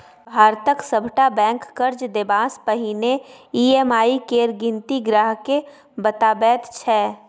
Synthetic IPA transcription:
bʱaːɾt̪əksəbʱʈabɛ̃ːkːəɾd͡ʒd̪ebaːspəɦineiːemaːikeːɾɡɪ̃nt̪iɡɾaːɦke | bət̪aːbɛːt̪t͡ʃʰɛː

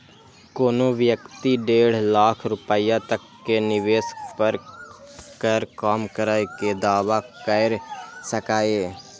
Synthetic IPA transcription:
koːnõːʋjəkt̪iːɖeːɽ̤laːkʰɾʊpəijãːt̪əkːeːnɪʋeːspəɾ | kəɾkaːmkəɾaːekeːd̪aːʋaːkəɪɾsəkaːeː

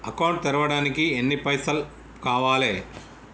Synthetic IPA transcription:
ɐkɐwɳʈ̚t̪ɛɾɐʋɐɽaːnikienːipɐjsɐl | kaːʋaːleː

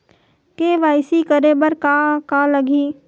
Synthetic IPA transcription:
keːʋaːɪsikəɾebɐɾkakalɐɡiː

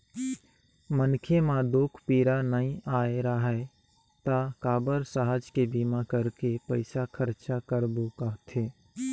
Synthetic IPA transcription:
mənkʰemãd̪oːkʰpiːɾanəĩʔaːeɾaɦɛ | t̪akaːbəɾsaɦəd͡ʒkebiːmãkəɾkepəɪsakʰəɾt͡ʃakəɾbokaɦt̪ʰeː

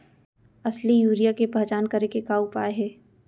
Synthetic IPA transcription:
ɐslijuːɾijakepɛɦt͡ʃaːnkɐɾekekaːupaːeɦɛː

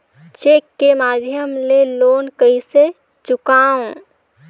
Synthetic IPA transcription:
t͡ʃekːemad̪ʱjəmleloːnkəise | t͡ʃʊkaːõ

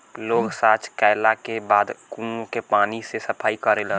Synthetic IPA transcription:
loɡsat͡ʃkaɪlakebad̪kũokepanisesəpʰaːikəɾelən

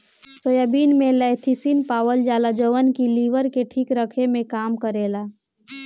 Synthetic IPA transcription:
soːjabiːnmẽləɪt̪ʰisinpaːwəld͡ʒaːlad͡ʒoːʋənkiliːʋəɾkeʈʰiːkɾəkʰemẽkaːmkəɾeːlaː

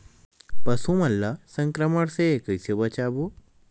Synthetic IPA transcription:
pɐsumɐlːasɐŋkɾɐmɐɽsekəjsebɐt͡ʃabu

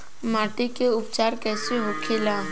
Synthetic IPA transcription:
maːʈekeʊpt͡ʃaːɾkɛːseɦokʰelaː

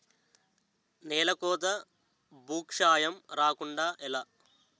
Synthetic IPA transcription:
nɛːlɐkɔːd̪ɐ | bʱuːkʂaːjɐmɾaːkuɳɖaːʔɛlaː

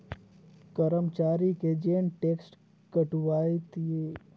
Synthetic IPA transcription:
kəɾəmt͡ʃaːɾiked͡ʒeːnʈeːksʈ | kəʈʋaːit̪ie

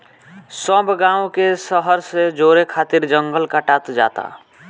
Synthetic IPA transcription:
səbʱɡãːũkesəɦəɾsed͡ʒoɾekʰaːt̪iɾd͡ʒəŋɡəlkəʈat̪d͡ʒa̰t̪a̰

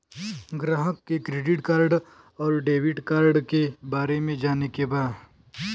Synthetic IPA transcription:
ɡɾaːɦəkːekɾeːɖɪʈkaːɾɖ | ɔːɾɖeːʋɪʈkaːɾɖkebaːɾemẽd͡ʒaːnekebaːd̪

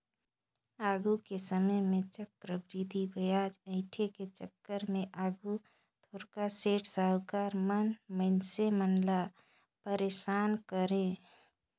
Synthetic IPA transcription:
aːɡʱukesəməjmẽt͡ʃəkːɾəbɾid̪ʱibəjaːd͡ʒə̃ɪʈʰeket͡ʃəkːəɾmẽʔaːɡu | t̪ʰoːɾkaseːʈʰsəɦkaːɾmənməɪnsemənla | pəɾeːʃaːnkəɾẽ

